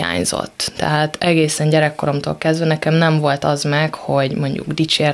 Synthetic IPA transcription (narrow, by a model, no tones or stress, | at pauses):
a̰ːɲzo̰t̪ːɛ̰ɦaːt̪ɛɡeːsɛɲɟɛɾɛkːo̞ɾo̞mt̪o̰ːlkɛzd̪vɛnɛkɛmnɛɱvo̞lt̪ɒzmɛkho̞ɟmo̞ɲɟṵɡd̪it͡ʃeːr